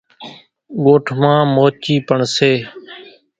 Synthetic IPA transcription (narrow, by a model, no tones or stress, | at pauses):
ɠoːʈʰmãːmoːt͡ʃiːpəɳseː